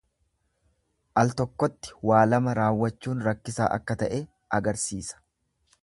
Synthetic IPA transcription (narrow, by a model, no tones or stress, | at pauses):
ʔɐlt̪ɔkːɔt̪ːɪ̥waːlɐmɐɾaːwːɐt͡ʃːuːnɾɐkːɪsa̰ːʔɐ̰kːɐt̪ɐʔe | ʔɐɡɐɾsiːsɐ̥